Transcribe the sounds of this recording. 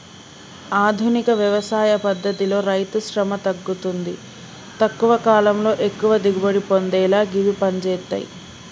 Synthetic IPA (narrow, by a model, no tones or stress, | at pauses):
aːd̪ʱunikɐʋjɐʋɐsaːjɐpɐd̪ʱːɐt̪ilo̞ːɾɐjt̪uʃɾɐmɐt̪ɐɡːut̪und̪i | t̪ɐkːuʋɐkaːlɐmlo̞ːʔe̞kːuʋɐd̪iɡuboɽipond̪ɛːlaːɡiʋipɐɲd͡ʒɛːt̪ːɐ̰jḭ